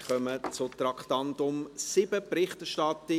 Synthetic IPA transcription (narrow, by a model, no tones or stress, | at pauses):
χœmət͡sʊt̪rɑktɑntʊmsɪbəpɾɪχtɛʃtɑtə